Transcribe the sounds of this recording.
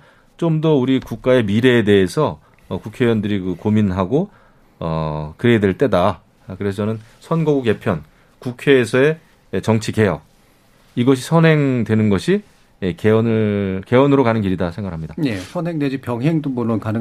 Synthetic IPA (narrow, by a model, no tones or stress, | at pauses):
t͡ɕ͈omdʌuɾikuk̚k͈ae̞miɾe̞ːde̞esʰʌː | kukʰejwʌndɯɾikɯkominɦaɡo | ʌkɯɾe̞dwe̞ɭt͈e̞da | kɯɾe̞sʰʌʌnɯnsʰʌnɡʌɡuɡe̞pʰjʌn | kukʰe̞ːsʰʌe̞ː | t͡ɕʌŋt͡ɕʰike̞jʌ | iɡʌɕ̬ʰisʰʌnɦe̞ŋdwe̞nɯnɡʌɕʰi | ekeʌnɯke̞ʌnɯɾokanɯnɡiɾidasʰeŋɡaɡɾɭɦamɲidaje̞sʰʌnɦeŋdwed͡ʑipjʌŋɦeŋdomoɭːonkanɯ